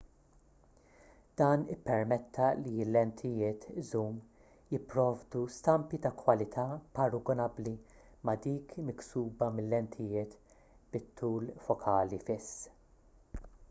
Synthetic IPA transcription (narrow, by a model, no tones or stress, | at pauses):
d̪̥ɐːnɪpːɛɾmɛt̪ʰːɐlilːɛnt̪ʰɪjɪːt̪ɪzuːm | jɪpːɾɔːvd̪ust̪ɐmpit̪ɐkwɐlɪt̪ʰɐːpɐɾʊɡɔnɐbli | mɐd̪iːkmɪksuːbɐmɪlːɛnt̪ʰɪjɪːt̪ | b̥ɪt̪ʰːuːlfɔkʰɐːlifɪsː